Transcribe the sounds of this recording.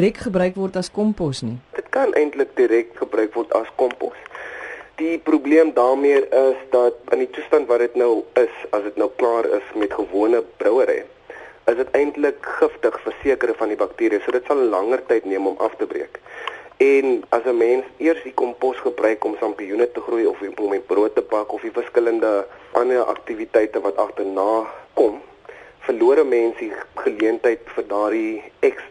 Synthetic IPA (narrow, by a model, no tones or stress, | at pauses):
rɛkχəbrœɥkvɔrtɐskɔmpɔsnidətkɐnʔɛjntlək̚diɾɛk̚tχəbrœɥkvɔrtɐskɔmpɔ̰s | d̥iprubliəmdɑːrmiərəsdɐt̚ənditustɐntvɐrdətnəwəsɐsdətnəwklɑːɾə̰smɛtχəvuənəb̥rœwəɾɛ̰j | əsdətɛjntləkχəftəχfərsiəkəɾəfɐndibɐktiːɾiəsuədətsɐlːɐŋərtɛjtniəmɔmʔɐ̰ftəbrɾḭəkɛnɐsəmɛnsiərsdikɔmpɔsχəbrœɥkɔmsɐmpiunətəχrujɔfiɔmɛt̚bruətːəpɐkɔfifərskələndəʔɐnərʔɐ̰k̚tivitɛjtəvɐtɐχtərnɑːkɔm | fərluəɾəmɛnsiχəliəntəjtfərdɑːdiɛks